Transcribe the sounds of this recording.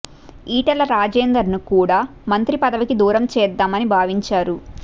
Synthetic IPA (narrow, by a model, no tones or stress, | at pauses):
iːʈɐlɐɾaːd͡ʒeːnd̪ɐɾnukuːɽaː | mɐnt̪ɾipɐd̪ɐʋikid̪uːɾɐmt͡ʃɛːd̪ːaːmɐnibʱaːʋiɲt͡ʃaːɾu